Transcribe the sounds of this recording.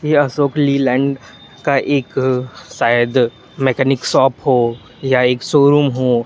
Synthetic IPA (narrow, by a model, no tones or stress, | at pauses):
jeɐsoːkliːlɛ̃ːɳɖ | kaʔeːksaːjəd̪ | mɛkɛːnɪksɔːpɦoː | jaeːksoːɾuːmɦoː